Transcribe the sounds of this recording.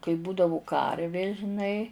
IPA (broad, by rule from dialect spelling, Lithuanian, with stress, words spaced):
kɐɪ ˈbuːdɐʋʊ ˈkɐrʲʋʲeː ʒʲɪˈnɐɪ